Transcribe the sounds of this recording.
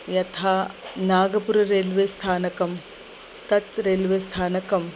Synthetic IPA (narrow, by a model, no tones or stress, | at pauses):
jɐt̪ʰaːnaːɡɐpuɾɐɾeːlʋeːst̪ʰaːnɐkɐm | t̪ɐt̪ɾeːlʋeːst̪ʰaːnɐkɐm